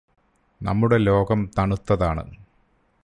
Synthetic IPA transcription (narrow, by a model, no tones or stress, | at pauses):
nɐ̰mːuɽe̞lo̞ːɡɐmt̪ɐɳut̪ːɐðaːɳɨ̰